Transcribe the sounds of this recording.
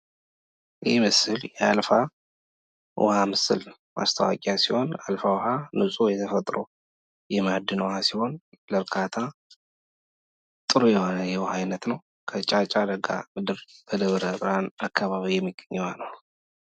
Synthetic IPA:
jhimɨsɨljɛalfa | w̰hamɨsɨl | mʔa̰st̪ʰəwa̰kʼjasiho̞na̰lfawhanɨsʼujɛt̪ʰəfət̪ʼɾo | jɛmad̪ːɨnwhasiho̞n | ləɾkʰat̪ʰa | t̪ʼɨɾujɛho̞nəjɛhhajnət̪nəw | kʰət͡ʃʼat͡ʃʼad̪əɡa̰mɨd̪ɨɾb̥əd̪əβɾəbɨɾanakʰːaβaβijɛmːiɡ̥əɲːɛwanəw

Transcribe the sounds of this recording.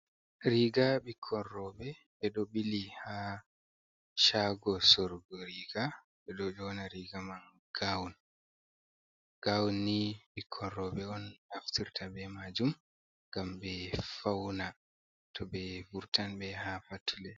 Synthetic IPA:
ɾiɡaɓikʰːɔnɾɔbɛ | ɓɛɗɔɓiliha | ʃaɡɔsɔɾɡɔɾiːɡa | ɓɛɗɔd͡ʒɔnaɾiɡaman | ɡ̥awun | ɡ̥awunːiɓikʰːɔnɾɔbɛɔnaftiɾtʰabɛmad͡ʒum | ɡambɛfawna | tʰɔbɛfuɾtanbɛhafatʰulɛ

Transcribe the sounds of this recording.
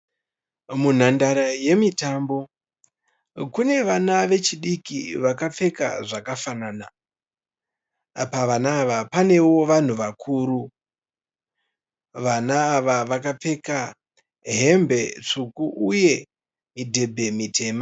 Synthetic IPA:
mun̤andaɾaje̞mitambo̞ | kune̞ʋanaʋe̞t͡ʃiɗikiʋakap͡fe̞ka̰ʐakafanana | paʋanaːʋapane̞wo̞ʋan̤uʋakʰuːɾu | ʋanaːʋaʋakap͡fe̞ka | ɦe̞mbe̞t͡ʂukuʔuje̞ | midʱe̞bʱe̞mitʰe̞ːma

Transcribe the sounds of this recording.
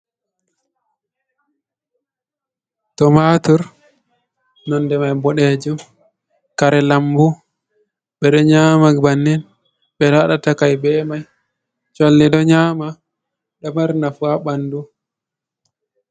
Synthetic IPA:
tɔmatuɾ | nɔndɛmajbɔɗed͡ʒum | kaɾɛlambu | ɓɛɗɔɲaːmabanːɛn | ɓɛlaɗatakajbɛːmaj | t͡ʃɔlːiɗɔɲaːma | ɗɔmaɾnafuaɓandu

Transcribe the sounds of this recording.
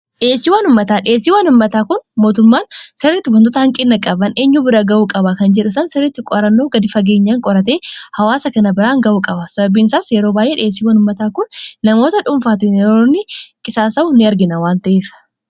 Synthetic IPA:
ᶑeːsːiːwaːnʊmːɐt̪aːᶑeːsːiːwaːnʊmːɐt̪aːkʊnmoːt̪ʊmːaːnsɛrːɪt̪ːɪbʊnt̪̬ot̪ɐhɐŋkʼɪnːɐkʼɐbɐne̞ːɲːuːbɪɾɐɡɐʔuːkʼɐbɐkɐnd͡ʒɛᶑʊsɐnsɛɾːɪt̪ːɪkʼɔɾɐnːo̞ːɡɐd̪ɪfɐɡe̞ːɲːaːŋkʼɔɾɐt̪e̞ːhɐwaːsɐkɐnɐbɪɾaːŋɡɐʔuːkʼɐbɐsɐbɐbiːnɪsaːsjɛɾo̞ːbaːjʔeːᶑɛːs̬ːiːwaːnʊmːɐt̪aːkʊnːɐmo̞ːt̪ɐᶑʊmfaːt̪ɪnjɛɾoːnːɪkʼɪsaːsɐʊnɪɐɾɡɪnɐwaːnt̪ɐʔeːfɐ̥

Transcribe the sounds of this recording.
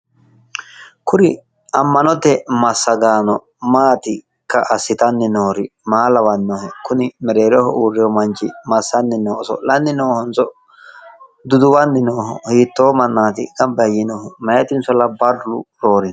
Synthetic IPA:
kʊɾɪ | ɐmːɐnɔt̪ɛmɐsːɐɡaːnɔ | maːt̪ɪ | kːɐʔɐsːɪt̪ɐnːɪnoːɾɪmaːlɐwɐnːoːhɛkʊnɪmɛɾeːɾɔhɔʔuːrːɛjɔmɐnt͡ʃɪmɐsːɐnːɪnoːɔsɔ̰lɐnːɪnoːhɔnt͡sɔ | d̪ʊd̪ʊwɐnːɪnoːɦɔ̰hiːt̪ːoːmɐnːaːt̪ɪkɐmbɐjɪnoːhɛmɐjɐt̪ɪnsɔlɐbɐrːʊ̰ɾoːɾɪn

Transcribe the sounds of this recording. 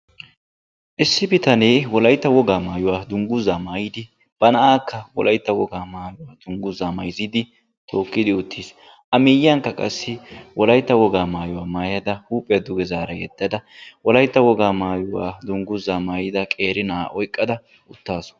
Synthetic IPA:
ʔɪsːɪbɪt̪ɐneːwɔlɐjt̪ːɐwɔɡaːmaːjʊwaːd̪ʊŋɡʊzːaːmaːjɪd̪ɪ | b̥ɐnɐʔaːkːɐwɔ̰lɐjt̪ːɐwɔɡaːmaːjʊwaːd̪̥ʊŋɡʊzaːmɐjziːd̪ɪ | t̪ʰo̞ːkːɪd̪ɪʊt̪ʰːiːs | ʔɐmiːjɐŋkːɐkʼɐsːɪwɔlɐjt̪ːɐwɔɡaːmaːjʊwaːmaːjɐd̪ɐhuːpʼːɛɐd̪ʊɡɛzaːɾɐjɛ̰d̪̥ːɐd̪ɐwɔlɐjt̪ːɐwɔɡaːmaːjʊwa̰ːd̪ʊŋɡʊzaːmaːjɪd̪ɐkʼeːɾɪnɐa̰ːʔɔjkʼːɐd̪ɐ | ʊt̪ːaːsʊ̥

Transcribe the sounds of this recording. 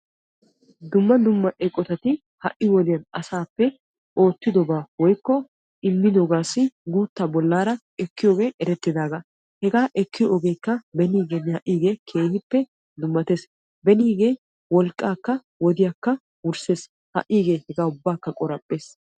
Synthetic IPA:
d̪ʊmːɐd̪ʊmːɐʔɛkʼːɔt̪ɐt̪ɪ | hɐ̰ʔːɪwɔd̪ɪjɐnɐsaːpːɛ | ʔo̞ːt̪ːɪd̪ɔbaːwɔjkːɔ | ɪmːɪd̪ɔɡaːsːɪɡuːt̪ːabɔlːaːɾɐ | ɛkːɪjo̞ːɡe̞ːʔɛɾɛt̪ːɪd̪aːɡɐ | hɛɡaːʔɛkːɪjoʔɔɡe̞ːkːɐbɛniːɡenːɪhɐʔːiːɡe̞ːkʰe̞ːhɪpːɛ | d̪ʊmːɐt̪eːs | bɛniːɡe̞ː | wɔlkʼːaːkːɐ | wɔd̪ɪjakːɐ | wʊɾse̞ːs | hɐ̰ʔːiːɡe̞ːhɛɡaːʊbːaːkːɐkʼɔɾɐpʼːe̞ːs

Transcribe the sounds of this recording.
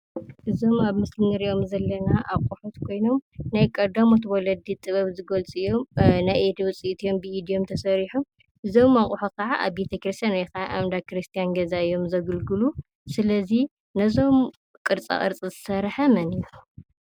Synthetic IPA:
ʔɨzo̞maβmɨslɨnɐɾiʔo̞mzɐlːɐnaʔakʼuħot̪kʰo̞jno̞mnajkʼɐd̪amo̞t̪wɔlɐd̪it̪ʼɨβɐβzɨɡolt͡sʼɨjːo̞mnajʔed̪wʊt͡sʼiʔt̪ʰijo̞mbɨid̪ijo̞mt̪ʰɐsɐɾiħum | ʔɨzo̞maχʼuħot̪̚kʰɐʕaʔa̰βbet̪ʰɐkɾist̪ʰijanjkʰɐʕaʔamd̪akɨɾist̪ʰijanɡɐzaɨjo̞mzɐɡɨlɡɨlu | sɨlɐzi | nɐzo̞m | kʼɨɾt͡sʼa̰χʼɨ̰ɾt͡sʼizɨsɐɾħɐmɐnɨjo

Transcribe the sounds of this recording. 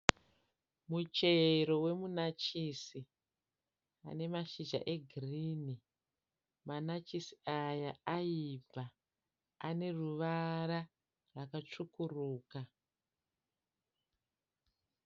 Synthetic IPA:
mut͡ʃe̞ɾo̞we̞munat͡ʃisi | a̰ne̞maʃid͡ʒa̰ʔe̞ɡʱiriːni | manat͡ʃisi̥ajaaib͡vaː | ne̞ruʋaɾa | rwakat͡ʂukuruːka

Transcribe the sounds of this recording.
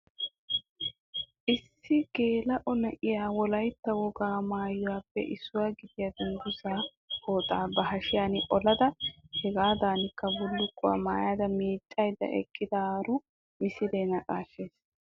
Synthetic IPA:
ʔɪsːɪɡ̥e̞ːlɐʔɔnɐʔɪjaːwɔlɐjt̪ːɐwɔɡaːmaːjʊwaːpːɛ̰ʔɪsːʊwaːɡɪd̪ɪjɐd̪ɪŋɡ̪ʊsaː | ho̞ːt̪ʼaːbɐɦɐʃɪjaːnɪʔɔlɐd̪ɐhɛɡaːd̪aːnɪkːɐbʊlːʊkʼːʊwa̰maːjaːd̪ɐmiːt͡ʃʼːɐjd̪ːɐ̰ʔɛ̰kʼːɪd̪ɐːɾʊ | mɪsɪd̪eːnɐkʼa̰ːʃːeːs

